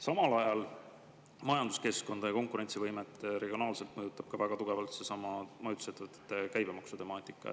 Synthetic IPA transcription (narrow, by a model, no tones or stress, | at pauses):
sɑmɑlɑjɑl | mɑjɑnd̪̥u̥ske̞sko̞nd̪̥ɑjɑko̞ŋkuɾe̞nʲsivɤjmet̪ːˑɾe̞ɡio̞nɑːlse̞lt̪mɤjut̪ˑːɑb̥kɑvæɡ̥ɑt̪uɡ̥e̞vɑlt̪se̞sɑmɑmɤjud̪u̥se̞t̪ːevɤt̪ːˑe̥t̪ːˑekæjbemɑksut̪e̞mɑːt̪ːˑikːˑɑ̰